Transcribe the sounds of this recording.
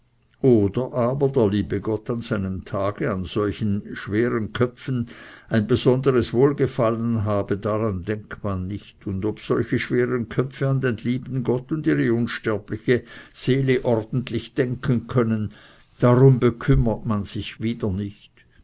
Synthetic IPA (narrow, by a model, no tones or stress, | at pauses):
ʔoːdɐʔaːbɐdeːɐliːbəɡɔtanz̥aɪnəmtʰaːɡ̥əanz̥ɔlçn̩ʃv̥eːʁənkʰœfn̩aɪnbəz̥ɔnd̪əʁəsvoːlɡəfalənɦaːbədaʁandɛŋkmanːɪçtʊndobsɔlçəʃv̥eːʁənkʰœfəand̪enliːbn̩ɡɔtʊndiːʁəʊnʃtɛɐplɪçəz̥eːləʔɔʁd̥n̩tlɪçd̥ɛŋkʰənkʰœnən | d̥aʁʊmbəkʰʏmɐt̚manz̥ɪçviːdɐnɪçt